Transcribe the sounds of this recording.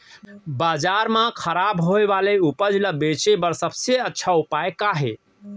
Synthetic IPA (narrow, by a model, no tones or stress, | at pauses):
bad͡ʒaɾmãkʰəɾabɦoebaleupəd͡ʒləbet͡ʃebəɾsəbseətːʃʰaupaekaɦe